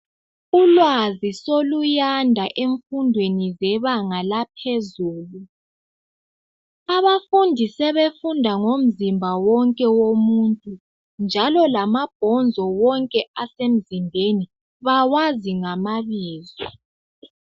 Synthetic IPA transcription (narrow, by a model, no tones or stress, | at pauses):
ulwazisolujandʱaʔeɱfundʱwenizɛβaŋalapʰezuːlu | aβafundʱisɛβefundʱaŋom̩zimbʱawɔŋkʼɛwomuːntʼu | nd͡ʒʱalɔlamab̥ʱɔnd͡zʱɔwɔŋkʼɛasem̩zimbʱeni | βawaziŋamaβiːzɔ